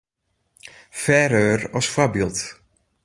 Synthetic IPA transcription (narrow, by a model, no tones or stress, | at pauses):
fɛːɾøːrɔsfwabilˠt